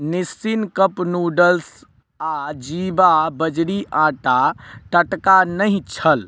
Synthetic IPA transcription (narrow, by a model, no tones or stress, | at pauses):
nisinkəpnuɖəls | ad͡ʒibabəd͡ʒɽiʔãʈat̪əʈkanəɦĩt͡ʃʰəl